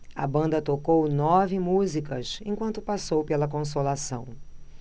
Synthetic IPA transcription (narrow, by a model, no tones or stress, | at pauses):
ɐ̰bɐ̃nd̪ɐt̪okownɔvɪmuzikɐsẽkwɐ̃nt̪ʊpasowpelɐkõs̬olasɐ̰̃w̃